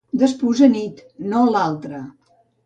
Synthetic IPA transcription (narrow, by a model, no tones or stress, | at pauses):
d̪əspuzənit̪nolalˠt̪ɾə